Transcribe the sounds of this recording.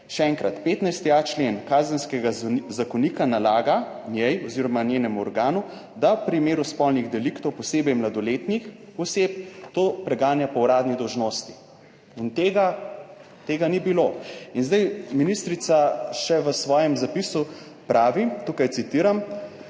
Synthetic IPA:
ʃɛɛŋkɾat̪peːt̪najst̪iat͡ʃlenkaːzənskɛɡazakɔniːkanalaːɡa | njɛjɔziɾɔmanjeːnɛmuɔɾɡaːnu | d̪awpɾimeːɾuspɔlniɣd̪ɛlikt̪ɔwpɔseːbɛjmlad̪ɔleːt̪nixɔseːp̚t̪oːpɾɛɡaːnjapɔwɾaːd̪nid̪ɔwʒnoːst̪i̥ | int̪eːɡa | t̪eːɡanibiloinzd̪ajminist̪ɾit̪saʃɛʋəsʋɔːjɛmzapisu | pɾaːʋit̪uːkajt̪sit̪iːɾam

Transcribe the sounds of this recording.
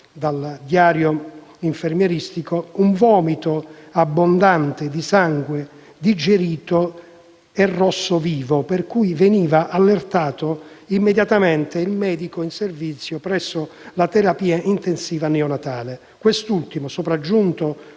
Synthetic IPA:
d̪ald̪jaːɾjo | iɱfermjɛɾist̪ikouɱvɔːmit̪oabːond̪ant̪ed̪isaŋɡwe | d̪id͡ʒeɾiːt̪o | ɛrːɔsːoviːvoperkujveniːvaʔalːert̪aːt̪oimːed̪jat̪amɛnt̪eilmɛːd̪ikoinservit̪sːjopɾɛsːolat̪eɾapiːaʔint̪ensiːvanɛonat̪aːle | kwest̪ult̪imosopɾad͡ʒːunt̪o

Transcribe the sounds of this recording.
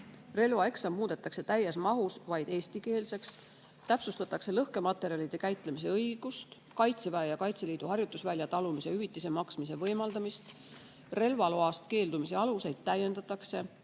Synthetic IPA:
re̞lvɑe̞ksɑmːmuːd̪̥e̞t̪ːˑɑkse̞t̪æjːesmɑɦusvɑjd̪̥e̞ːsʲt̪ike̞ːlse̞ks | t̪æpsust̪ɑt̪ːˑɑkse̞lɤhke̞mɑt̪ːˑe̞ɾiɑlid̪̥e̞kæjt̪ˑle̞mis̬e̞ɤjɡ̥ust̪ | kɑjt̪sevæejɑkɑjt̪se̞liːd̪̥uɦɑrjut̪ːˑusvælʲjɑt̪ɑlumise̞yvit̪ːˑise̞mɑksmise̞vɤjmɑld̪̥ɑmist̪ | re̞lvɑlo̞ɑst̪̚ke̞ːld̪umise̞ɑluse̞jd̪̥̚t̪ːæjːe̞nd̪̥ɑt̪ːˑɑkse̞

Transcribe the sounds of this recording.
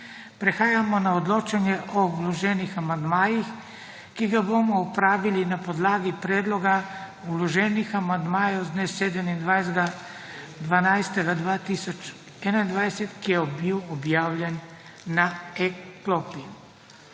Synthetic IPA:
pɾɛxaːjamɔnaɔd̪loːt͡ʃanjɛʔɔlɔʒɛːnixamand̪maːjix | kiɡaboːmɔupɾaːʋilinapɔd̪laːɡipɾɛːd̪lɔɡa | ulɔʒɛːnixamand̪maːjɔwzd̪nesːeːd̪ɛmind̪ʋajɡa | d̪ʋanajst̪ɛɡad̪ʋaːt̪isɔt͡ʃ | ɛnaind̪ʋajsɛt̪kijɛbiwɔbjaːwlʲjɛnː | aɛkloːpi

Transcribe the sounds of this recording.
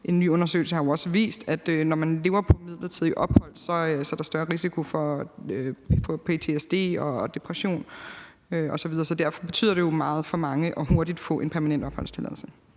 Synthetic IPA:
ʔe̝nːy̰ːɔ̽nɐsø̰ːl̩səhɑ̈joɒ̽səʋḭːsd̥æd̥ønɒmænle̝ːʊɐpʰɒ̽mið̞̰ˠlɐt͡sʰiðˠiʔɒ̽b̥hɒ̽l̰̥sɒ̽sɒ̽æɐɾ̥ɑsd̥ɶɐʁisikʰo̝fɒ̽ | fɒ̽pʰe̝t͡sʰe̝esd̥e̝̰ːɒ̽d̥e̝pʰʁɐɕo̝̰ːn | øɒ̽sɒʋiðˠɐːsɒ̽d̥æɐfɒ̽b̥e̝t͡sʰy̰ð̰ˠɐd̥e̝jo̝mɑ̈ːð̞̩ˠfɒ̽mɑ̈ŋəʔɒ̽ho̝ɐɾ̥id̥fɔ̰̽ʔe̝npʰæɐmænen̰d̥ɒ̽b̥hɒ̽l̰st͡sʰe̝læð̰ˠl̩sə

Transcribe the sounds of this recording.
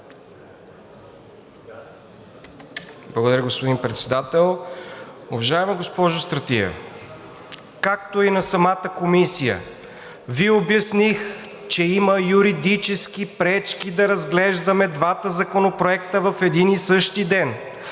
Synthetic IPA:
blˠɐɡod̪ɐɾʲəɡospod̪inpɾɛt̪sɛd̪at̪ɛlˠ | ʊvɐʒaɛməɡospɔʒʊst̪ɾɐt̪iə̰ | kakt̪oinɐsɐmat̪əkomisijə̰ | viobjɐsnix | t͡ʃɛiməjuɾid̪it͡ʃɛskipɾɛt͡ʃkid̪ɐɾɐzɡlɛʒd̪ɐmɛd̪vat̪əzɐkonopɾoɛkt̪əvɐfɛd̪inisɤʃt̪id̪ɛn

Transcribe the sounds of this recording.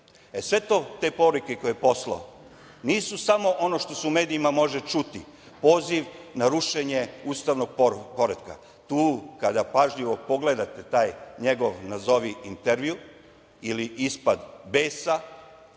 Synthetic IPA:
esʋe̞t̪o̞ːt̪e̞po̞ɾuke̞ko̞jeepo̞slo̰o | niːsusamo̞ʔo̞no̞ʃt̪o̞seume̞ːd̪iimamo̞ʒet͡ʃut̪i | po̞ːziʋnaɾuʃe̞ɲe̞uːst̪aʋno̞ɡ̚po̞ɾed̪ka̰ | t̪uːkad̪apaʒʎiʋopo̞ɡle̞d̪at̪et̪aːjɲeɡo̞ʋnazo̞ʋiint̪eɾʋiu | iliʔispad̪be̞ːsa

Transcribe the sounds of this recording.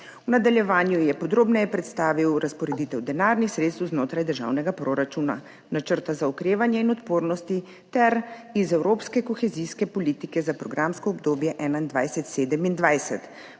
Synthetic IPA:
unad̪aljɛʋaːnjujɛpɔd̪ɾoːbnɛjɛpɾɛt̪st̪aːʋiwɾaspɔɾɛd̪iːt̪ɛwd̪ɛnaːɾnixsɾet̪st̪wznoːt̪ɾajd̪əɾʒa̰wnɛɡapɾoɾat͡ʃuna̰ | nat͡ʃəɾt̪azaukɾeːʋanjɛinɔt̪poːɾnɔst̪i | t̪ɛɾizɛwɾoːpskɛkɔxɛziskɛpɔliːt̪ikɛzapɾɔɡɾamskɔːbd̪oːbjɛʔɛːnaind̪ʋajsɛt̪seːd̪ɛmind̪ʋajsɛt̪

